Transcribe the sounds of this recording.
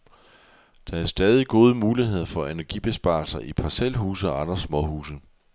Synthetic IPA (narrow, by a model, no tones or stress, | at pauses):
d̥ɑ̈æɐsd̥ɛːð̞ˠiɡ̥o̝ːð̞ˠəmuːlihe̝ð̞̰ˠɐfɒ̽e̝næɐɡ̥ib̥e̝sb̥ɑ̰̈ːlsɐʔipʰɑ̈sel̰ɦṵːsəɒ̽ɑ̈ndʁɐsmɒ̽hṵːsə